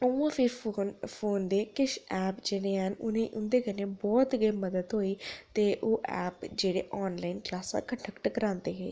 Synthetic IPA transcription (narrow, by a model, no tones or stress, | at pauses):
əãːpʰɪɾnpʰoːnd̪eːkɪʃɛːpd͡ʒeɽeːɦənʊnẽːʔʊnd̪eːkəneːbɔːt̪ɡeːməd̪əd̪ɦoːiːt̪eːʔoːʔɛ̰ːpd͡ʒeːɽḛːʔɔːnlaːinklaːsã̰ːkəɳʈʰəkʈkəɾãːnd̪eːɦḛː